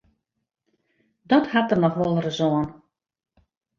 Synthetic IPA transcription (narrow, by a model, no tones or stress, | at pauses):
dɔthatərnɔxʋɔlˠrəzoən